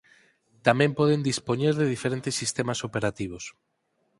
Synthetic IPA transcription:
t̪amẽmpoð̞end̪ispoɲeɾðeðifeɾent̪esːist̪emasopeɾat̪iβ̞os

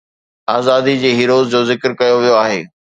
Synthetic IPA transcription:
aːzaːd̪id͡ʑeːɦiːɾoːzd͡ʑoːzɪkəɾkɐjoʋijoaːɦḛː

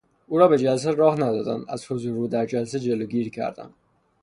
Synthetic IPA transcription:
uːɾɒːbed͡ʒæls̬eɾɒːhnæd̪ɒːd̪æ̰næ̰zhozuɾuːd̪æɾd͡ʒælsed͡ʒeloɡiːɾcʰæ̰ɾd̪æ̰n

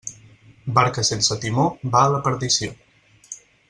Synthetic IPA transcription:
baɾkəsensət̪imobaələpəɾðisio

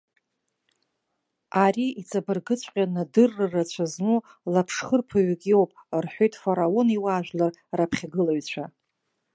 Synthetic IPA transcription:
aɾiit͡sʼabɨrɡɨt͡ɕʷʼqʲʼanadɨrːɨrat͡ɕʷʰaznulapʰʂχərpʰaɥkʲʼiopʼrħʷᶣojtʼfaɾao̞niwaːʒᶣlar | rapʰχʲaɡɨlaɥt͡ɕʷʰa

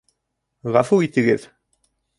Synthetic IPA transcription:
ʁɑfuit̪ɘ̆ɡɘð

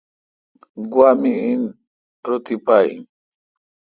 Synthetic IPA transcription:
ɡwamiin | ɾut̪ipaḭ

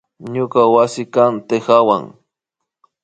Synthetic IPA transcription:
ɲʊkawasɪkant̪exawa̰ŋ

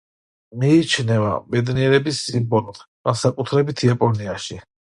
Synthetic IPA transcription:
miːt͡ʃʰnɛva̰bɛd̪niɛɾɛbisːimbɔlˠt̪ɡ̥ansakʼut̪ʰɾɛbit̪ʰiapʼɔniaʃi

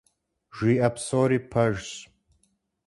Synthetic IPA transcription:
ʒʷiɐpsoːɾipʰɐʒs

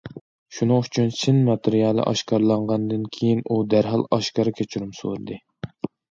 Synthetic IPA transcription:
ʃunɨŋyt͡ʃʰynsɨnmɑt̪ʰɨɾijɑlˠɨ̰ʔɑ̰ʃkɑɾlˠɑɴʁɑnd̪ɨnkʲʰejinud̪æɾɦɑ̰lˠɑʃkɑɾɨkʲʰet͡ʃʰyɾumso̰ɾɨd̪ɨ

